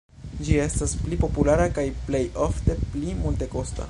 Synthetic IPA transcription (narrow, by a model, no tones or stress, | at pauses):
d͡ʒie̞stasplipo̞pulaɾakajple̞jofte̞plimulte̞ko̞sta̰